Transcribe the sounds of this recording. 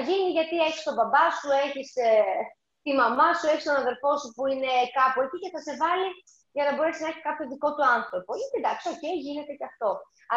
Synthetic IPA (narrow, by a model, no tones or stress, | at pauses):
ʝiniʝɐt̪ieçi̥st̪o̞bɐbɐsue̞çis | t̪imɐmɐsueçist̪o̞nɐðe̞ɾfo̞supuine̞kɐpuecice̞θɐse̞vɐli | ʝɐnɐbo̞ɾe̞siznɐeçiskɐpço̞ðiko̞t̪uɐnθɾo̞poʝɐt̪id̪ɐkso̞cejʝine̞t̪e̞ceɐft̪o̞ | ɐ